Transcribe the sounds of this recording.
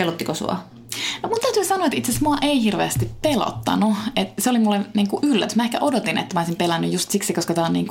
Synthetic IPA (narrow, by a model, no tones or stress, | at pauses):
elot̪ːikosṵɑ̰ | nomunt̪æt̪yːsɑnoɑet̪it̪sesmuɑʔeihirʋḛːst̪ippelo̰t̪ːɑ̰nuet̪seolimulːeniːŋkuʔylːæt̪ysmæehkæ̰ʔodot̪inḛt̪ːæmæoˑisimpelænːyjjust̪siksikoskɑt̪æonnḭːŋku